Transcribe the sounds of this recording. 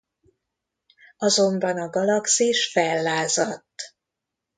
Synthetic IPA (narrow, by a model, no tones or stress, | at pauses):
ɒzo̞mbɒnɒɡɒlɒksiʃfɛlːaːzɒt̪ː